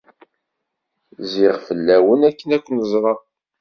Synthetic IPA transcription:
ziʁfəlːæwənækːənækʷːnəzˤɾˤɑ

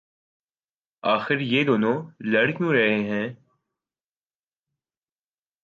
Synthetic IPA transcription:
aːxɪɾjeːd̪oːnõlɐɽkjũɾɐɦeɦɛ̃ː

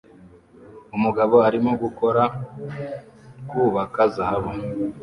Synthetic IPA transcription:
umuɡaβo̞aɾimoɡuko̞ɾa | kuβakazahaβo

